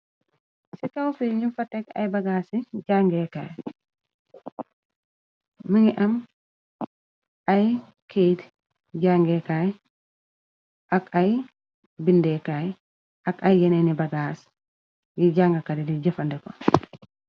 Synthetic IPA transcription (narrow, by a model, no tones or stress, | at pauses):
sikawfiɲufɐtːɛkɐ̰jbɐɡaːsiɟaːŋɡɛːkaːj | miŋiʔɐm | ɐj | kʰet | ɟaŋɡɛkaj | ʔakaj | bindɛkaj | ʔɐkɐjːɛnɛnibɐɡaːs | jiɟaŋɡɐkadɛdiɟɐfɐndɛkɔ